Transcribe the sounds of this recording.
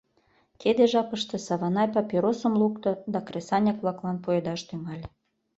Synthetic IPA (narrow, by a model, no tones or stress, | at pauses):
ked̪eʒɑpəʃt̪e̽sɑβɑnɑjpɑpʲiɾosə̆mlukt̪ŏd̪ɑkresɑnʲɑkβlˠɑklɑnpoed̪ɑʃt̪ymɑlʲ